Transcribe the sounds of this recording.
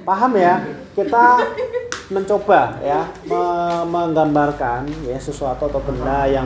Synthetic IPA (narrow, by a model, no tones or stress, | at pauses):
paɦamjakit̪a | məɲt͡ʃob̥ajaməməŋɡambarkanjasəsuat̪uat̪ɔkəndaja